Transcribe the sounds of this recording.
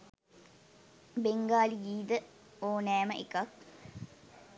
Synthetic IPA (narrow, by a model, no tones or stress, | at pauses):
beŋɡaːlijiːd̪ə | oːnɛːməʔekak̚